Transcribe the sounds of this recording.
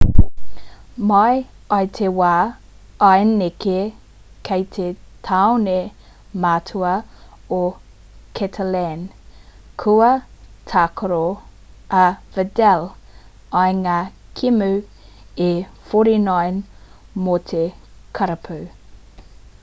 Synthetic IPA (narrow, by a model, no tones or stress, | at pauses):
mɐj | ɐjt̪ʰewaː | ɐjneke | kʰejtʰetʰawne | matʰuɐ | o | kʰɛtʰəlɛn | kʰuɐtʰakʰoɾo | ɐvədɛl | ɐjŋakʰimʉ | efoɾinajnmotʰekʰɐɾɐpʰʉ